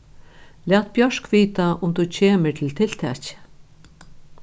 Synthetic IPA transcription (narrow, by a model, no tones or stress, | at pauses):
læːt̪̚bjœʂkʋiːt̪aʔʊmt̪ut͡ɕʰeːməɹt̪ʰɪlt̪ʰɪlt̪ʰɛ̰ːt͡ʃɪ̥